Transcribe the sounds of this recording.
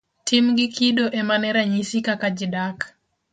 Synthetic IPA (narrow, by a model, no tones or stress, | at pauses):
tʰimɡɪkʰidoʔemanɛɾaɲisikakad͡ʒɪdak